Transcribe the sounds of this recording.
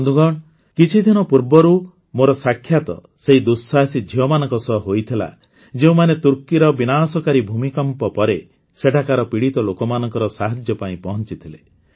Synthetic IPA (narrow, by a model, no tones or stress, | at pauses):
nd̪uɡɔɳ | kit͡ʃʰid̪ʱinɔpuɾbɔɾu | moɾɔsakʰːjat̪ɔ̰ | seid̪usːasid͡ʒʱiɔmanɔŋkɔsɔɦojt̪ʰila̰ | d͡ʒeũmanet̪uɾkiɾɔbinaːsɔkaɾibʱumikɔmpɔpɔɾe | seʈʰakaɾɔpiɽit̪ɔlokɔmanɔŋkɔɾɔsaɦad͡ʒjɔpaĩpɔɦɔnt͡ʃit̪ʰile